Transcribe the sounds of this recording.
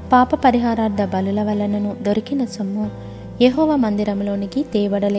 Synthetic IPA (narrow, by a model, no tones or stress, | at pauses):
paːpɐpɐɾiɦaːɾaːɾd̪ɐbɐlulɐʋɐlːɐnɐnud̪oɾikinɐsɐmːu | jeɦɔːʋaːmɐnd̪iɾɐmlo̞ːnikit̪iːʋɐɽɐleː